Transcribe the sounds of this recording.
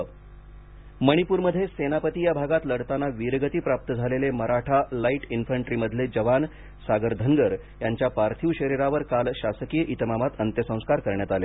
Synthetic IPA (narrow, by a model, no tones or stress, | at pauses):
məɽ̃ipuːɾməd̪ʱːjesenapət̪iːjabʱaɡat̪ləɽt̪anːaʋiɾɡət̪iːpɾap̚t̪əd͡zʱaleleməɾaʈʰalaiʈinfəɳʈɾiːməd̪ʱled͡ʑəʋan | saɡəɾd̪ʱəŋɡəɾ | jaɲt͡ɕjapaɾt̪ʰiʋɕəɾiɾaʋəɾkalɕasəkijəʔit̪əmamat̪ənt̪jəsə̃w̃skaɾkəɾɳjat̪ale